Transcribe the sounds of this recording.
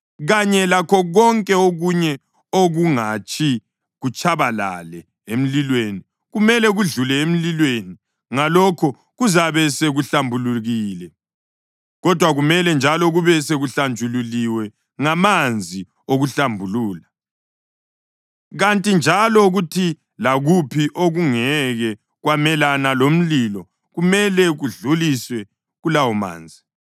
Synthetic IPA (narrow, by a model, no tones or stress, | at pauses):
ɣaɲɛlakʰɔɣɔŋkʼɛoɣuɲɛ | oɣuŋat͡ʃʼʰi | ɣut͡ʃʰʼaβala̰lɛ | em̩lilweːni | ɣumɛlɛɣuɮulɛem̩lilweni | ŋalɔkʰɔ | ɣuzaβɛseɣuɬambʱuluɣiːlɛ | ɣɔd̥ʱwaɣumɛlɛnd͡ʒʱalɔɣuβɛseɣuɬand͡ʒʱululiwɛ | ŋamand͡zʱi | oɣuɬambʱuluːla | ɣantʼind͡ʒʱalɔɣutʰi | laɣupʰiʔoɣuŋɛɣɛ | ɣwamɛlanalom̩lilɔ | ɣumɛlɛɣuɮuliswɛ | ɣulawɔma̰ːnd͡zʱi